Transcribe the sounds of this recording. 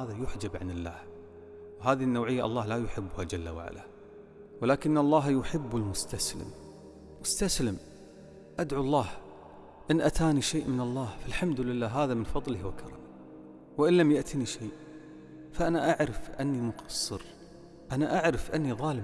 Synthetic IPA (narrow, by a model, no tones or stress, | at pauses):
aːðajʊħd͡ʒabʕanɪlːa̰ːh | wɦaːðiɪnːawʕɪjːaʔɑ̰lˤːɑːhlajʊħɪbːʊhad͡ʒalːa̰wa̰ʕa̰la | wɪlaːkɪnːɑlˤːɑːɦjʊħɪbːɪlmʊst̪aslɪ̰mː | ʊst̪aslɪm | ʔad̪ʕuɑlˤːɑːh | ʔɪnʔat̪ʰaːniʃeːʔmɪnɑlˤːɑːhfalħamd̪ʊlɪlːaːɦaːðamɪnfɑðˤlɪhwakʰɑɾˤɑ̰mɪ | wɪʔɪnlamjaʔt̪ʰiniʃeːʔ | faʔanaʔaʕɾɪfʔanːimʊqɑ̥sˤːɨɾ | ʔanaʔaʕɾɪfʔɪnːiðˤɑːlɪm